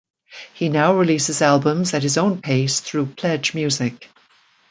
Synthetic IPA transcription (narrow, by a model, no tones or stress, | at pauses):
hinaʊɹɨlisɨzælˠbə̃mzɨt̚hɨzõʊ̃npʰeɪsθɹupʰl̥ɛd͡ʒmjʉzɪk̚